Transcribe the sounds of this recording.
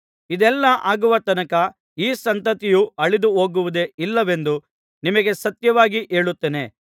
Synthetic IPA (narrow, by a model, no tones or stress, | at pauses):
id̪ɛlːɐʔaːɡuʋɐt̪ɐnɐkɐ | iːsɐnt̪ɐt̪ijuɐɭid̪uɦo̞ːɡuʋud̪e̞ilːɐʋe̞nd̪u | nimɐɡe̞sɐt̪jɐʋaːɡiʔe̞ːɭut̪ːeːne̞